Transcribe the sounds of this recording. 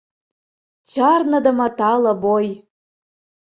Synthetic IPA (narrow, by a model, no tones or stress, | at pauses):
t͡ɕɑrnɤ̆d̪ɤ̆mɑt̪ɑlɤ̆boj